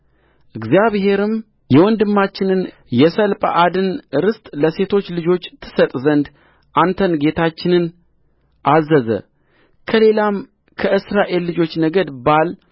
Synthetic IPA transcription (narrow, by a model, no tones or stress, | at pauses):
ʔɨɡzijaβɦe̞ɾɨm | jɛwɔnd̪ɨmːat͡ʃːɪnɨn | jɛsəlpʼəʔad̪ɨnɨɾɨst̪ʼləse̞t̪ʰo̞t͡ʃːlɨd͡ʒo̞t͡ʃːt̪ʰːɨ̥sət̪ʼzənd̪ | ʔant̪ʰənɡe̞t̪ʰat͡ʃːɪnɨn | ʔazːəzə̰ | kʰəle̞lam | kʰəɨsɾaʔe̞lːɨd͡ʒo̞t͡ʃːnəɡəd̪bal